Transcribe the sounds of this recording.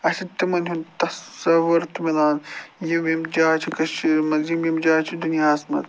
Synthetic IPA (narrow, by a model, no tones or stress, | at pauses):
ɐʃit̪imɐnʲɦunt̪ɐsɐʋɐɾt̪umilaːnjimjimd͡ʒaːt͡ʃʰikɐt͡ʃimɐzimjimd͡ʒaːt͡ʃʰid̪unjaːsmɐ̰d̪